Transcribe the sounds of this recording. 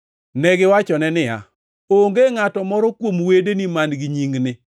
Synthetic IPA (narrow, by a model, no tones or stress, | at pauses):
nɛɡɪwat͡ʃɔnɛnɪja̰ | oŋɡeŋatɔmɔɾɔkwomwedenimanɡɪɲiŋnɪ